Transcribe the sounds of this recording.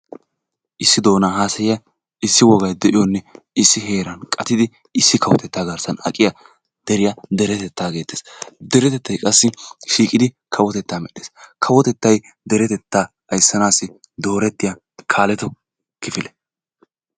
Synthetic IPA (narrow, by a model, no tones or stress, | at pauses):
ʔɪsːɪd̪o̞ːnaːɦaːsɐjɪjɐ | ɪsːɪwɔɡɐjd̪ɛʔɪjɔnːɛ | ɪsːɪɦe̞ːɾɐnkʼɐt̪ɪd̪ɪ | ɪsːɪkʰɐwɔ̰t̪ɛt̪ːaːɡɐɾsɐnɐ̰kʼɪjɐ | d̪̥ɛɾɪjɐd̪ɛɾɛt̪ɛt̪ːaːɡe̞ːt̪ːeːsd̪ɛɾɛt̪ɛt̪ːɐjkʼɐsːɪʃiːkʼɪd̪ɪ | kʰɐwɔt̪ɛt̪ːaːmɛɗeːskʰɐwɔt̪ɛt̪ːɐj | d̪ɛɾɛt̪ɛt̪ːaː | ɐjsːɐnaːsːɪ | d̪o̞ːɾɛt̪ːɪja | kʰaːlɛt̪ɔ | kɪfɪlɛ